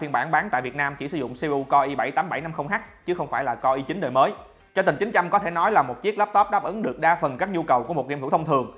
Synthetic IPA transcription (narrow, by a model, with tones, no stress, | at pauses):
fi˧nɓaː˧˩nɓaː˨˦nt̪a̰ː˧˨jvi˨˩ət̚naː˧mt͡ɕi˧˩sɨ̰˧˩˦zʊ̰˧˨ŋ͡mse˧ʔu˧kɔ˧ʔi˧ɓa˧˩jt̪aː˨˦mɓa˧˩jna˧mxə˧wŋ͡mhaː˦˥k̚t͡ɕɨ˨˦˥xə˧wŋ͡mfaː˧˩jlaː˨˩kɔ˧ʔi˧t͡ɕï˨˦ɗəː˨˩jməː˨˦j | t͡ɕɔ˧t̪i˨˩ŋ̟t͡ɕï˨˦ŋ̟t͡ɕa˧mkɔ˨˦t̪ʰe˧˩nɔ˨˦jlaː˨˩mo˨˩t̚t͡ɕi˦˥ək̚laː˦˥p̚t̪ɔ˦˥p̚ɗaː˦˥p̚ʔɨ˨˦ŋɗɨ˨˩ək̚ɗaː˧fə˨˩nkaː˦˥k̚ɲu˧kə˨˩wku˧˩əmo˨˩t̚ni˧˨u˧˥˩t̪ʰŋ͡mt̪ʰɨ˨˩əŋ